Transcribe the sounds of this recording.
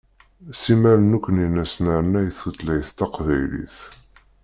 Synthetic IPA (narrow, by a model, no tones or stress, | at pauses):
simæɾənukʷːəninæsnaɾənæjθut̪læjθt̪ɑqvæjlḭθ